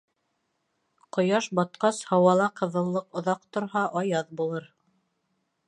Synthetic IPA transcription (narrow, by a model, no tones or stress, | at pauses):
qŏjɑʃbɑt̪qɑshɑwɑlˠɑqɤ̆ðɤ̆lˠːɤqŏðɑqt̪ŏɾɦɑʔɑjɑðbulˠɤɾ